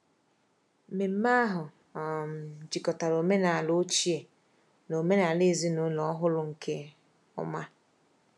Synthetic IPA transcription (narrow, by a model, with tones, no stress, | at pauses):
m̩˨me˨m̩˦ma˦ɦʊ˨ | m̩˨d͡ʒi˨kɔ˨ta˨ɾo˨me˦na˨a˨lo˦t͡ʃi˦e˨ | no˨me˦na˨le˦˨zi˦nu˦lɔ˦ɦʊ˦lʊ˦ŋ̩˨kʰe˦ | ɔ̰˦ma˦